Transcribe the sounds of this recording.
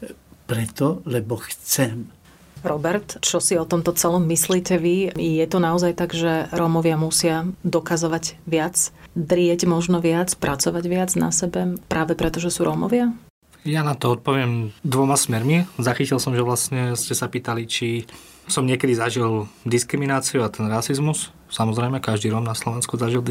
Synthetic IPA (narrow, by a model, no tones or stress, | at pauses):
pɾɛt̪ɔlɛbɔxt͡sɛm | ɾɔbɛɾt̪t͡ʃɔsiɔt̪ɔmt̪ɔt͡sɛlɔmːisliːcɛʋijɛt̪unaɔzajt̪aɡʒɛɾɔmɔʋɪamusɪad̪ɔkazɔʋaɟʋɪad͡zd̪ɾɪɛɟmɔʒnɔʋɪat͡spɾʔat͡sɔʋaɟʋɪad͡zna̰sɛbɛpɾʔaːʋɛpɾɛt̪ɔʒɛsuːɾʔɔmɔ̰ʋɪa | janat̪ɔɔt̪̚pɔʋɪɛmd̪ʋɔmasmɛɾmizaxicilsɔmʒɛʋlastɲɛscɛsapiːt̪alit͡ʃi | sɔmɲɪɛkɛd̪izaʒild̪iskɾiminaːt͡siuat̪ɛnɾasizmus | samɔzɾɛɪmɛkaʒd̪iːɾɔːmnaslɔʋɛnskuzaʒil